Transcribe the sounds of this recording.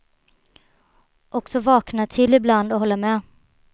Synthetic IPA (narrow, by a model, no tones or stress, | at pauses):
ʔɔksɔvɑːknat̪ʰɪlːɪbland̪ɔɦɔlːamɛː